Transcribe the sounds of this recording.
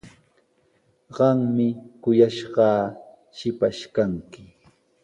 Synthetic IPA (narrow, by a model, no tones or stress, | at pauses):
ɢɑŋmɪkʊjaʃɢɑː | ʃɪpaʃkaŋkɪ